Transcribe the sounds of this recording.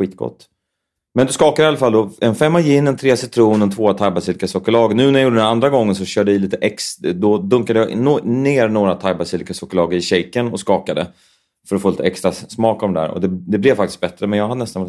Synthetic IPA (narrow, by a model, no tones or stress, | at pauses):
ɧiːt̪ɡ̥ɔ̰t̪ː | mɛnd̪ɔskɑːkad̪əɪalːafald̪ɔɛnfɛmːajɪɪnːɛnt̪ʰɾeːsɪt̪ʰɾuːnɛnt̪ʰvoːat̪ʰajbasiːlɪkasɔkɔlɑːɡnʉ̟ːnæɾjajuːɖəd̪ɛnand̪ɾaɡɔŋːənsɔɕœːɖəɪliːt̪əʔɛksd̪ɔd̪ɵŋkad̪əjɑnneːɾnoːɾat̪ʰajbasiːlɪkasɔkɔlɑːɡəɾɪɕɛjkənɔskɑːkad̪ə | fœɾɔtfoːliːt̪ɛkst̪ɾasmɑːkɔmd̪ɛd̪æ̰ːɾɔ̰d̪ɛd̪ɛblɛvfak̚t̪ɪst̪̚bɛt̪ɾəmɛnjɑːɡhad̪ənɛst̪anv